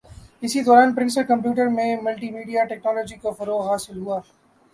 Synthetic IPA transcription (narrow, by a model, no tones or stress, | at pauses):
ɪsid̪ɔːɾaːnpɾɪ̃nsəɾkɐ̃mp̬juːʈəɾmẽmɐlʈiːmiːɖijaʈɛːknɔːlɔːd͡ʒikofɐɾoːɣɦaːsɪlɦuaː